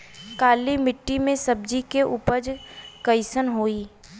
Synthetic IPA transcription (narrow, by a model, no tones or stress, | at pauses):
kaːlimɪʈːimẽsəb̚d͡ʒikeʔʊpəd͡ʒkəɪsənɦoːiː